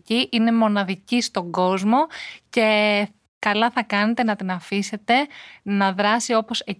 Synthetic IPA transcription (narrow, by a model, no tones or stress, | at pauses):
ciʔine̞mo̞nɐðicist̪o̞ŋɡo̞zmo̞ce̞ | kɐlɐθɐkɐne̞t̪e̞nɐt̪inɐfise̞t̪e̞nɐðɾɐsio̞po̞se